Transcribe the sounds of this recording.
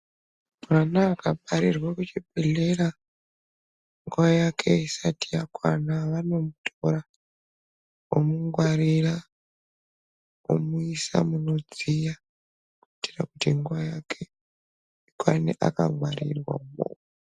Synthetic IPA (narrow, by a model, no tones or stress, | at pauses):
manaːkapaɾirwakut͡ʃibʱeɮera | ŋɡuwajakʰe̞isatʰijakwa̰naʋano̞mutʰoɾa | omuŋɡwaɾiɾa | o̰muisa̰muno̞d͡zija | kuiti̥rakutiŋɡuwajakʰe̞ | ikwaneʔa̰ka̰ŋwaɾḭrwa̰umo̰mu